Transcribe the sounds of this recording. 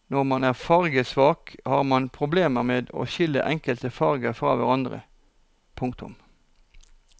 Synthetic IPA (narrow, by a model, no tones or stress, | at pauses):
nɔʁmɑnæːʁfɑʁɡəsʋɑːkhɑːʁmɑnpʰʁʊbleːməʁmeːd̪o̰ːʃɪlːə̰ʔɛŋkəlt̪əfɑʁɡəfʁɑ̰ːʋæ̰ʁɑnd̪ʁə̰ | pʰʊŋkt̪ʊ̰m